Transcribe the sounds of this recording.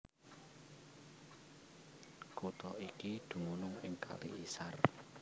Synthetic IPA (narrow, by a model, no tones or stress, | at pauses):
kut̪ɔʔikid̪̥ṳŋunʊŋɪŋkʰa̰lḭisar